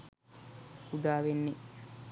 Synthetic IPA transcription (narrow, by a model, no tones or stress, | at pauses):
ud̪aːʋenːe